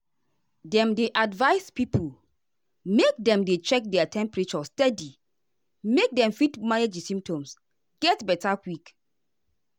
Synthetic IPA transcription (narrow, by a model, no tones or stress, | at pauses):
dɛ̃mdeʔadvaɪspipʰul | mek̚dɛ̃mdet͡ʃɛk̚dɛatʰɛ̃mpɹit͡ʃɔstɛdi | mek̚dɛ̃mfitmaned͡ʒisĩmptɔ̃ms | ɡ̥ɛtbɛtakwik